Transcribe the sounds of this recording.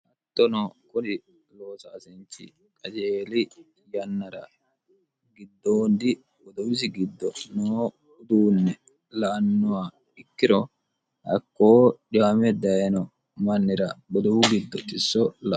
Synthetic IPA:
ʔɐt̪ːɔnɔkʊnɪ | loːsaːsɛnt͡ʃːɪ̰ | kʼɐd͡ʒeːlɪ | jɐnːɐɾɐ̰ | ɡɪd̪ːoːnd̪ɪ | bɔd̪ɔwɪs̬ɪɡɪd̪ːɔnoː | ʊd̪uːnːɛ | lɐʔɐnːɔwa | ɪkːɪɾɔ | hɐ̰kːoːd͡ʒamɛd̪ɐjɛnɔ | mɐnːɪɾɐbɔd̪ɔwʊɡɪd̪ːɔt̪ʼɪsːɔlɐ

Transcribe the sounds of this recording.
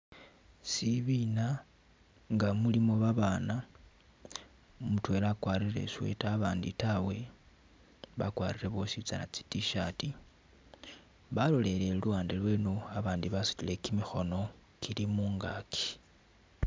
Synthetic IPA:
siβina | ŋɡamulimo̞βaβana | mutwe̞ːlakwaɾire̞̰swḛtaβaːnditawe̞ | βa̰kwaːɾiɾe̞βosit͡sana̰t͡si̥tiʃati | βalo̞le̞leluaːndelwe̞noaβaːndiβasu̥tile̞kimixo̞no̞ | kʰilimuːŋɡakʰi̥

